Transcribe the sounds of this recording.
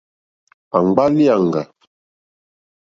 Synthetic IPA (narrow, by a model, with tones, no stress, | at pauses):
a˨ŋ͡mɡ͡ba˦li˦a˨ŋɡa˨